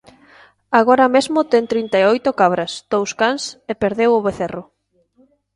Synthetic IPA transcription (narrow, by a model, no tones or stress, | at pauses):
aɣoɾɐmezmʊt̪ɛŋt̪ɾint̪aeojt̪ʊkaβ̞ɾɐsd̪̥owskansepeɾðewʊβeθerʊ